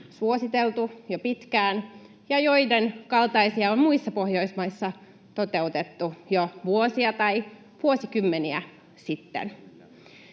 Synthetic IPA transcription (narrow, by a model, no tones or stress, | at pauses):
suosit̪elt̪ujopit̪kæːn | jɑjoidenkɑlt̪ɑisiɑonmuisːɑpohjoismɑisːɑ | t̪ot̪e̞ut̪et̪ːujoʋuosiɑt̪ɑi | ʋuosikymːeniæ̰ | sit̪ːḛn